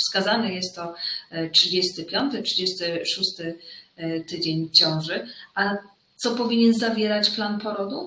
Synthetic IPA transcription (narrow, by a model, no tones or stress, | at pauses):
fskazanɛjɛst̪ːɔtʂɘd͡ʑɛst̪ɘpʲjɔnt̪ɘtʂɨd͡ʑɛst̪ɘʂust̪ɘ | t̪ɘd͡ʑeɲt͡ɕɔ̃w̃ʐɘʔa | t̪sɔpɔvʲiɲɛnzavʲjɛɾat͡ɕplanpɔɾɔd̪u